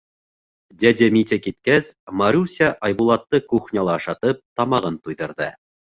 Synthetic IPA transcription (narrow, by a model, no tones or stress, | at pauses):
d̪ʲæd̪ʲemʲit̪ʲekit̪̚kæsmaɾʲusʲaʔɑjbulˠɑt̪ːɤkuχnʲɑlˠɑɤʃɑt̪ɤp̚t̪ɑmɑʁɤnt̪ujðɤ̆ɾðɤ̰